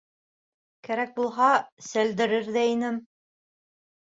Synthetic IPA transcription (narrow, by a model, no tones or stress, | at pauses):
kæɾæk̚bulˠɦɑsæld̪ɘ̆ɾɘɾðæinɘm